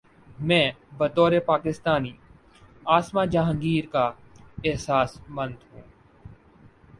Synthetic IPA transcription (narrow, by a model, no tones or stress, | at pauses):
mɛ̃ːbət̪ɔːɾepaːkɪst̪aːniː | aːsmaːd͡ʒaːɦə̃ŋɡiːɾkaː | ɪɦsaːsmə̃nd̪ɦũː